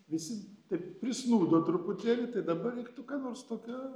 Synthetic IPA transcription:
ʋʲɪsʲɪt̪ɐɪppʲɾʲɪsnuːd̪oːt̪ɾʊpʊt̪ʲeːlʲɪt̪ɐɪd̪ɐbɐʋʲɛɪkt̪ʊkɑːnoːrst̪oːkʲoː

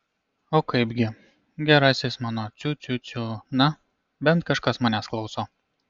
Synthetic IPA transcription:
oːkɐɪbɡʲɪ | ɡʲɛɾɑːsʲɪsmɑːnoːt͡ʃ̪ʲʊt͡ʃ̪ʲʊt͡ʃʲunɐ | bʲɛnt̪kɐʃkɐsmɐːnʲɛsklˠɒʊsoː

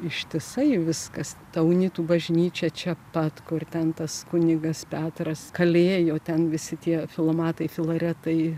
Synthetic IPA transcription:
ɪʃʲt̪ʲɪsɐɪʋʲɪskɐst̪ɐʊnʲit̪uːbɐʒʲnʲiːt͡ʃʲɛt͡ʃʲɛpɐt̪kʊrt̪ʲɛnt̪ɐskʊnʲɪɡɐspʲæːt̪ɾɐskɐlʲeːjoːt̪ʲɛnʋʲɪsʲɪt̪ʲiɛfʲɪlˠoːmɑːt̪ɐɪfʲɪlˠɐːɾʲɛt̪ɐɪ

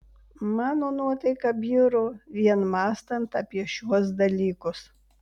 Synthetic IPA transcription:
mɑːnoːnuɔt̪ɐɪkɐbʲiːɾʊʋʲiɛnmɑːst̪ɐnt̪ɐpʲiɛʃʲuɔs̬d̪ɐlʲiːkʊs

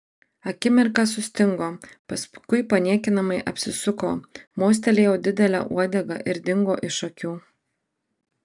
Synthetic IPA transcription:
ɐkʲɪmʲɛɾkɑsʊsʲt̪ʲɪŋɡoːpɐskʊɪpɐnʲiɛkʲɪnɐmɐɪʔɐ̰pʲsʲɪsʊkoːmoːs̬ʲt̪ʲɛlʲeːjɛʊd̪ʲɪd̪ʲɛlʲæ̰ːʔṵɔd̪ʲɛɡɐʔɪɾd̪ʲɪŋɡo̰ːʔɪʃɐkʲuː

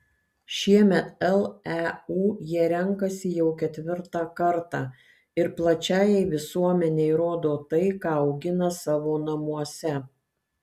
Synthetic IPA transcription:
ʃʲiɛmʲɛt̪ɛlˠæuːjiɛɾʲɛŋkɐsʲɪjɛʊkʲɛt̪ʲʋʲɪɾt̪ɑːkɐɾt̪ɑː | ɪɾplˠɐt͡ʃʲæːjɛɪʋʲɪsuɔmʲɛnʲeɪɾoːd̪oːt̪ɐɪkɑːɒʊɡʲɪnɐsɑːʋoːnɐmuɔsʲɛ

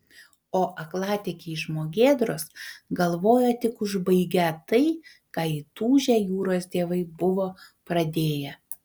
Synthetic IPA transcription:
oːʔɐklˠɑːt̪ʲɛkʲɛɪʃmoːɡʲeːd̪ɾoːsɡɐlˠʋoːjot̪ʲɪkʊʒbɐɪɡʲɛt̪ɐɪ | kɑːɪt̪uːʒʲɛjuːɾoːsd̪ʲeːʋɐɪbʊʋoːpɾɐd̪ʲeːjɛ

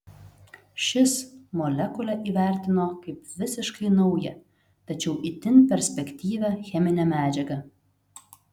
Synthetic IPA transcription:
ʃʲɪsmɔlʲɛkʊlʲɛʔiːʋʲæˑɾʲt̪ʲɪnoːkɐɪpʋʲɪsʲɪʃkɐɪnɐʊjɛ | t̪ɐt͡ʃʲɛʊʔit̪ʲɪnʲpʲɛɾʲsʲpʲɛkʲt̪ʲiːʋʲæxʲɛmʲɪnʲɛmʲæːd͡ʒʲɛɡɐ

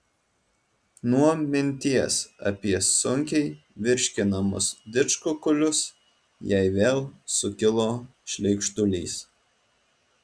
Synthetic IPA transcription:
nuɔmʲɪnʲt̪ʲiɛsɐ̰pʲiɛsʊŋʲkʲɛɪ | ʋʲɪɾʲʃʲkʲɪnɐmʊ̰sd̪ʲɪt͡ʃkʊkʊlʲʊs | jɛɪʋʲeːlˠsʊkʲɪlˠoː | ʃʲlʲɛɪkʃt̪ʊlʲiːs

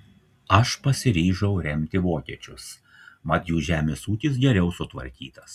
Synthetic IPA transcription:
ɐʃpɐsʲɪɾʲiːʒɐʊɾʲɛmʲt̪ʲɪʋoːkʲiɛt͡ʃʲʊs | mɐt̪juːʒʲæːmʲeːsuːkʲɪs̬ɡʲɛɾʲɛʊsʊt̪ʋɐ̰ɾʲkʲiːt̪ɐs

